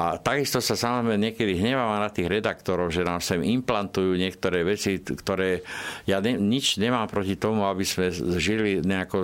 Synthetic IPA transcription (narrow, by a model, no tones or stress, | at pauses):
ʔat̪aɡist̪ɔsasamɔzɾɛmɛɲɪɛkɛd̪iɦɲɛʋaːʋanat̪iːɣɾɛd̪akt̪ɔɾɔʊʒɛnaːmsɛmimplant̪ujuːɲɪɛk̚t̪ɔɾɛːʋɛt͡sikt̪ɔɾɛːjaːɲɛɲit͡ʃɲɛmaːmpɾɔcit̪ɔmuabismɛzʒiliɲɛakɔ